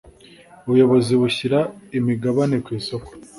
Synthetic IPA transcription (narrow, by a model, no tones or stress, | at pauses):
uβujo̞βo̞ziβuçiɾaimiɡaβane̞kwiːso̞ko̥